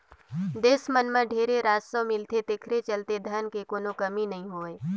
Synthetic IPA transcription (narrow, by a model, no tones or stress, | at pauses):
d̪eːsmənmẽɖʱeːɾeɾaːd͡ʒsəmɪlt̪et̪eːkʰɾet͡ʃɐlt̪ed̪ʱənkekoːnokɐminɐɦĩɦoːeː